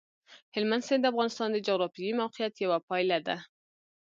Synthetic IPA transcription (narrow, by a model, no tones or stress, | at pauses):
hɪlmand̪sɪnd̪əafɣɑnɪst̪ɑnd̪əd͡ʒaɣɾɑfijimawqɪjat̪jawapɑjlad̪a̰